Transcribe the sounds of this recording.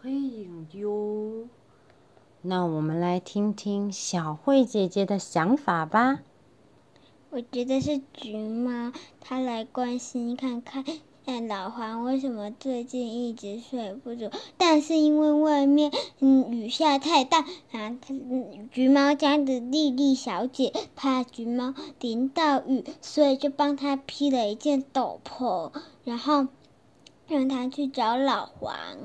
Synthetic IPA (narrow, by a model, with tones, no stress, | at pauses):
kwe˥˧i˨˩ŋt̪jo˥ʊ | na˥˩wɔ˨˩mə˦nla˧˥ɪt̪ʰi˥ŋt̪ʰi˥ŋɕjɑ˨˩ʊxwe˥˩ɪt͡ɕjɛ˨˩t͡ɕjɛ˧˥d̪ə˨ɕjɑ˧˥ŋfa˨˩ba˦ | wɔ˨˩t͡ɕɥɛ˧˥d̪ə˧ʂɻ̩˥˩t͡ɕy˧˥mɑ˥ʊt̪ʰa˥la˧˥ɪkwa˥nɕi˥nkʰa˥˧nkʰa˥˩˥ | lɑ˨˩ʊxwa˧˥nwe˥˩ɪʂə˧˥nmə˧ʈ͡ʂɤ˥˧t͡ɕi˥˧ni˥˩ʈ͡ʂɻ̩˧˥ʂwe˥˩ɪpu˥˩t͡su˥˩t̪a˥˧nʂɻ̩˥˩˧i˥nwe˥˧ɪwa˥˧ɪmjɛ˥˩n̩˥˩y˨˩ɕja˥˧t̪ʰa˥˧ɪt̪a˥˩a˧˩t̪ʰt͡ɕy˧˥mɑ˥ʊt͡ɕja˥d̪ə˨˩li˥˧li˥˩ɕjɑ˧˥ʊt͡ɕjɛ˨˩˦pʰa˥t͡ɕy˧˥mɑ˥ʊt̪i˧˥nt̪ɑ˥˩ʊy˨˩swɔ˧˥i˨˩t͡ɕjo˥˩ʊpɑ˥ŋt̪ʰa˥pʰi˥d̪ə˨i˧˥t͡ɕjɛ˥˩nt̪o˨˩ʊpʰo˧˥˦ʊɻa˧˥nxo˥˩ʊ | ɻɑ˥˩ŋt̪ʰa˥t͡ɕʰy˥˩ʈ͡ʂɑ˧˥ʊlɑ˨˩ʊxwa̰˧˥n